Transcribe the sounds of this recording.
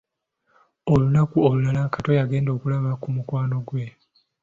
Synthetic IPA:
o̞lunakuolulalakato̞jaɡe̞ːndo̞ːkulaβakumukwaːno̞ɡwe̞

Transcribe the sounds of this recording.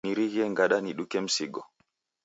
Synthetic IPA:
niɾiɣɛŋɡaɗaniɗukɛm̩siɡɔ

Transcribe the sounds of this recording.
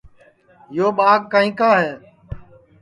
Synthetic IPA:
joːɓaːɡ̚kːaːĩːkaːɦɛː

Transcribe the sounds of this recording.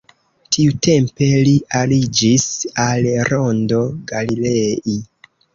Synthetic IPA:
tʰiute̞mpe̞lialid͡ʒisalɾondo̞ɡalilei

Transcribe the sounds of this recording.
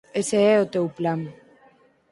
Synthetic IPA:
eseeot̪ewplaŋ

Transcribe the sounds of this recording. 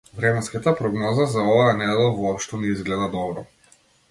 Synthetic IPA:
vɾɛmɛnskat̪apɾɔɡnɔzazaɔvajanɛd̪ɛlˠavɔɔpʃt̪ɔnɛizɡlɛd̪ad̪ɔbɾɔ

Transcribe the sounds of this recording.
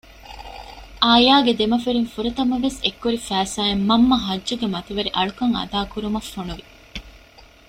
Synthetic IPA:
ʔaːjaːɡed̪emɐfeɾiŋfuɾɐt̪ɐmɐʋesekːuɾifæːsaːemːɐmːɐɦɐdːuɡemɐt̪iʋɐɾiʔɐɭukɐŋɐ̰d̪aːkuɾumɐfːonuʋi

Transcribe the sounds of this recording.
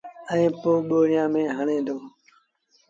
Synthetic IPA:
ə̃ĩːpoːɓoːɾɪjãːmẽːɦəɳẽːd̪oː

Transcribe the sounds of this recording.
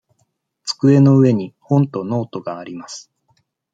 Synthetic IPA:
t͡sɨ̥kɯ̟e̞no̞ɯ̟e̞ɲ̟ihõ̞nt̪o̞no̞ːt̪o̞ɡaːɾʲimasɨ̥

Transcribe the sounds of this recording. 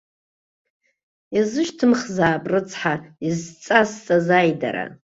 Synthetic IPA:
jazɨʃtʰɨmχzaːpʼrɨt͡sʰʼħaizt͡sʼast͡sʼazajda̰ɾa̰

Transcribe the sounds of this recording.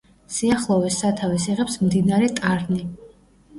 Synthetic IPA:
siaχlˠɔvɛsat̪ʰavɛsiʁɛpsmd̪inaɾɛt̪ʼaɾni

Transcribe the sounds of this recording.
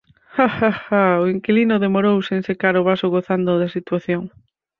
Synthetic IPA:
haxaxaoiŋkilinʊðemoɾowseŋsekaɾʊβasʊɣoθand̪ʊðɐsit̪waθjoŋ

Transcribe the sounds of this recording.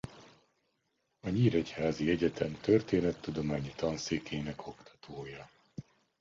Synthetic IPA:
ɒɲiːɾɛchaːziɛɟɛt̪ʰɛmt̪ørt̪eːnɛt̪ːud̪o̞maːɲit̪ɒnseːkʰeːnɛkʰo̞kt̪ɒ̥t̪ʰoːjɒ

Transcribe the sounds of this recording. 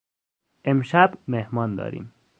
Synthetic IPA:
emʃæbmehmɒːnd̪ɒ̰ːɾḭːm

